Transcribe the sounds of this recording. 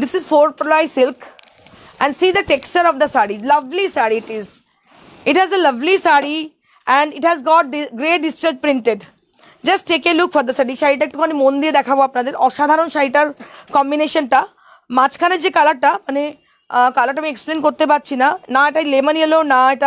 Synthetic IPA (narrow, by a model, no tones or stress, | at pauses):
d̪ɪsizfoːɾpɾolaɪsɪlk | ɛ̃ɳɖsiːd̪əʈekst͡ʃəɾɔʋd̪ɐsaɽilɐʋlisaːɽiːʈiz | ɪʈɦɛzelɐʋlisaɽi | ɛ̃ɳɖɪʈhɛzɡɔːʈ̚ɖɡɾeːʈ̚ɖist͡ʃaɾd͡ʒpɾɪ̃ɳʈeɖ | d͡ʒɐsʈʈːeːkelʊkfɔɾd̪ɐsɐɖiʃaɪʈɐk̚ʈukoɐnimõːnd̪ied̪ɛkʰaboapnad̪eɾɔʃaːd̪ʱaɾənʃaɪʈəɾkɔ̃mbineːʃənʈa | mat͡ʃkʰanɐd͡ʒekaləʈːamɐne | kalɐʈ̬amĩːeksplẽːnkoɾt̪ebat̪̚t͡ʃʰinanaeʈaleməniəlonaeʈa